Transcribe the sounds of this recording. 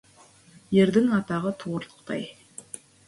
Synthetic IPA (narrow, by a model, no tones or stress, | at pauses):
jeɾd̪ɪŋɑt̪ɑʁət̪ʰuɾt̪ˠə̥qt̪ɑ̰j